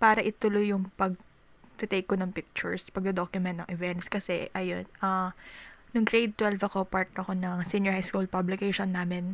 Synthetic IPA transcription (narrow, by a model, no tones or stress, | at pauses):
paːɾɐʔɪt̪ʊlʊjʊŋpɐɡ̚ | t̪ʊt̪ejkːonɐŋpɪk̚t͡ʃʊ̰ɹspɐɡ̚d̪ɛd̪okjʊmɛnt̪nɐŋʔɛvɛnt̪skɐsɛ̰ʔɐjo̰nɐ | nʊŋt̪ɹejd̪̚t̪wɛlvɐkopaɹt̪ɐko̞nɐŋsinjɔɹhajskulpablɪkejʃonːaːmɛn